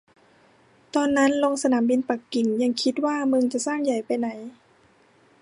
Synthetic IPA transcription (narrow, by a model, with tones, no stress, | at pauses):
t̪ɔː˧nːa˦˥nlo˧ŋsa˧naː˩˦mbi˧npa˨˩kːi˨˩ŋɲa˧ŋkʰi˦˥t̪̚waː˥˩mɯ˧ŋt͡ɕa˨˩ʔsaː˥˩ŋja˨˩jpa˧jna˨˩˦j